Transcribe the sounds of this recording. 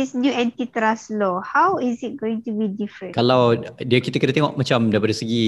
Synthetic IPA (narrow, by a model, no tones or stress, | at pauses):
isnjuɛ̃ntit̪ɾaslɔhawizit̚ɡoĩŋtubidifɾə̃nkalawdiakit̪əkinat̪ẽŋɔʔ̚mat͡ʃamdaipadaisəɡi